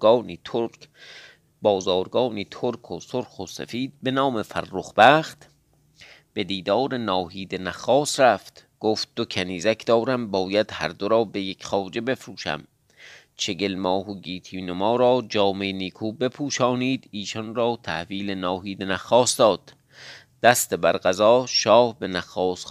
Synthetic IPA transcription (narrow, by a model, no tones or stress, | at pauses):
nio | bɒːzɒːɾɡɒːniːt̪ʰoɾkʰosoɾxosḛfiːd̪̚be̞nɒːmefærːoχbæːχt̪ | b̥e̞d̪iːd̪ɒːɾenɒːɦiːd̪enæxɒːsɾæft̪ɡ̥oːft̪̚d̪̥okʰæniːzækʰd̪̥ɒːɾæmbɒːjæd̪hæ̰ɾd̪oɾɒːbe̞jekʰχɒːd͡ʒe̞be̞fɾuːʃæ̰m | t͡ʃʰe̞ɡe̞lmɒːɦoɡiːt̪ʰiːnomɒːɾɒːd͡ʒɒːmeniːkʰuːbe̞pʰuːʃɒːniːd̪iːʃɔnrɒːt̪ʰæhviːlenɒːɦiːd̪enæxːɒːsd̪ɒːd̪̥ | d̪̥æst̪ebæɾɢæzɒːʃɒːhbe̞næxːɒːs